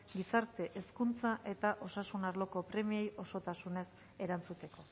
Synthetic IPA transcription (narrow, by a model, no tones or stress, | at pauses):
ɡisaɾt̪e̞ʔeskunt͡saʔe̞t̪aʔo̞sasunaɾlo̞ko̞pɾe̞mie̞jʔo̞so̞t̪asune̞s | e̞ɾant͡sut̪e̞ko̞